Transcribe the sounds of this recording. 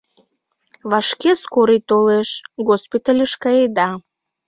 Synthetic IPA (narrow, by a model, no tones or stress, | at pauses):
βɑʃkeskoɾit̪oleʃɣospit̪alʲəʃkɑjed̪ɑ